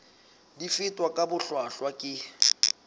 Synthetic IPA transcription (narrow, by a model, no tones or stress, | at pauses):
difɪtʼwakʼabʊɬwaɬwakʼɪ